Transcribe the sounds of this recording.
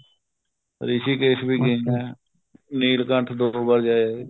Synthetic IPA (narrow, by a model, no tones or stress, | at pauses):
ɾɪsiːkeːsbiːɡeɛː | niːlkəʈʰd̪obəɾd͡ʒaːaːe